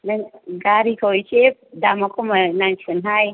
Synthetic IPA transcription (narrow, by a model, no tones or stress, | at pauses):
nɐnɡaɾikʰowt͡ʃep̚damakʰomanant͡ʃunɦaj